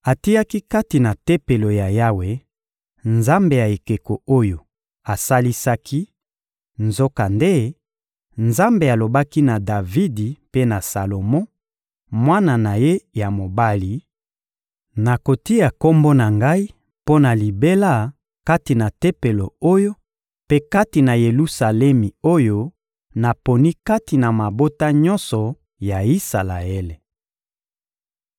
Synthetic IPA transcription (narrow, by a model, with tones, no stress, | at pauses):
a˨ti˦ja˦ki˦ka˦ti˨na˨te˦pe˨lo˨ja˨ja˦we˨ | nza˦mbe˨ja˨e˨ke˨ko˨o˦jo˨ | a˨sa˦li˦sa˦kʰi˦ | nzo˦ka˨nde˦ | nza˦mbe˨a˨lo˨ba˦ki˦na˨da˨vi˦di˨pe˦na˨sa˨lo˨mɔ̃˦ | mwa˦na˨na˨je˦ja˨mo˨ba˦li˨ | na˨ko˨ti˦ja˨ko˦mbo˦na˨ŋɡa˦i˦ | po˦na˨li˨be˦la˦˨ | ka˦ti˨na˨te˦pe˨lo˨o˦jo˦ | pe˦ka˦ti˨na˨je˨lu˦sa˨lɛ˦mi˨o˦jo˦ | na˨po˨ni˦ka˦ti˨na˨ma˨bo˦ta˦ɲɔ̃˦nsɔ˨ | ja˨i˦sa˨la˨e˦le˨